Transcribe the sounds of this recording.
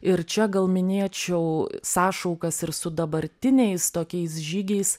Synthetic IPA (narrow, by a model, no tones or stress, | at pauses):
ɪɾt͡ʃʲɛɡɐlˠmʲɪnʲeːt͡ʃʲɛʊsɑːʃɐʊkɐsɪɾsʊd̪ɐbɐɾʲt̪ʲɪnʲɛɪst̪oːkʲɛɪs̬ʒʲiːɡʲɛɪs